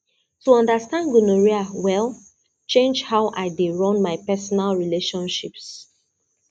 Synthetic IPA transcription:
tuɔ̃ndəstãndɡunoɹiawɛl | t͡ʃẽnd͡ʒhaʊʔaɪdeɹɔ̃nmaɪpɛsɔnalɹileʃɔ̃nʃips

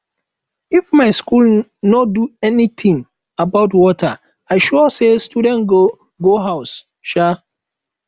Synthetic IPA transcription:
ifmaɪskulnɔduɛnit̪ʰĩŋ | abaʊtwɔtʰa̰ | aɪʃɔɔsestjudɛ̃n | ɡoɦaʊs | ʃa

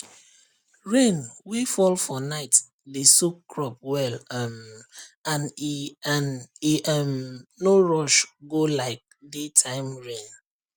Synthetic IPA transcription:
ɹẽnwifɔlfɔnaɪt | desukːɹɔp̚wɛlam | ãnianiʔʌmnoɹɔʃɡolaɪk̚detʰãɪ̃mɹẽn

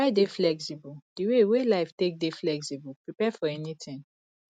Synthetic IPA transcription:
aɪdeflɛksibɔld̥iwewelaɪftek̚deflɛksibɔlpɹipɛfɔɛnitʰɪ̃n

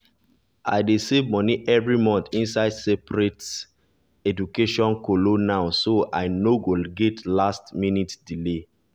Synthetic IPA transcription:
ʔa̰ɪdesevmɔniʔɛvɹimɔ̃nθĩnsaɪdsepɾet | ɛdukeʃɔ̃nkolonaʊsoa̰ɪnoɡolɡɛtʰlastminitdile

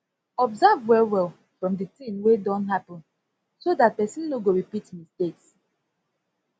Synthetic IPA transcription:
ɔbzavwɛwɛl | fɹɔ̃mdətĩmwedɔ̃ntɦapə̃n | sodat̚pɛsĩnːoɡoɹipitmisteks

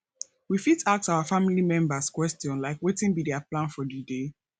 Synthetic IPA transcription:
wifitak̚taʊafamilimɛ̃mbaskwɛstiɔ̃nlaɪkwetĩnbidɛaplãnfɔdide

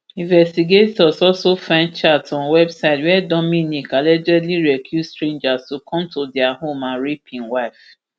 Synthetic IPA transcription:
ĩnvɛstiɡetɔsɔlsofãnt͡ʃatɔ̃nwɛbsaɪtwɛdɔminikalɛd͡ʒɛdliɾɛkʰjustɾẽnd͡ʒastukʰɔ̃mtodɪaɦomaɾipʰĩŋwaɪf

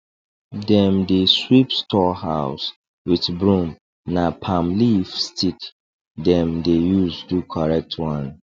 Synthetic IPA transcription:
dɛ̃mdeswipstʰɔhaʊs | wiθbɹũm | napʰãmlifstʰit | dɛ̃mdejuzdukʰɔɹɛk̚tʰwãn

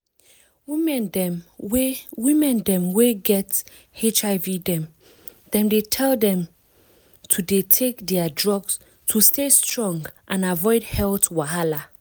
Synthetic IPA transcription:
wimɛnɛ | wimɛ̃ndɛ̃mweɡɛt | et͡ʃaɪvidɛ̃m | d̥ɛ̃mdetʰɛldɛ̃m | tʰudetʰekdɛadɹɔɡs | tʰustestɹɔ̃ŋɡʔãnavɔɪdhɛltwaɦala

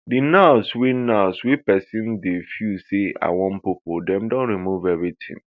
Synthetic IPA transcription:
dinaswinaʊswipɛsĩndefjusea̰wɔ̃npipodɛ̃mdɔ̃nɾimuvɛvɹitʰḭ̃n

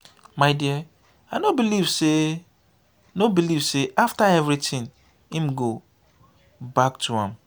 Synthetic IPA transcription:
maɪdiə | aɪnobilivse | nobiliv̥seʔaftaɛvɾitʰĩn | ĩm̩ɡo | bak̚tʰuã̰m

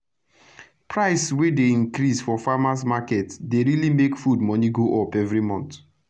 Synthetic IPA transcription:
pʰɹaɪsswedeĩnkɾisfɔfamãs̬makɛtdeɹilimekfudmɔniɡoʔɔpɛvɹimɔ̃nt

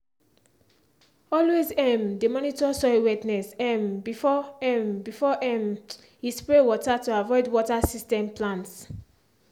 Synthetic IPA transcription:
ɔlwezɛ̃mdemɔnitɔsɔjwɛtnɛsɛ̃mbifɔɛmbifɔʔɛm | ispɹewɔtatuavɔɪdwɔtasistɛ̃mplãnts

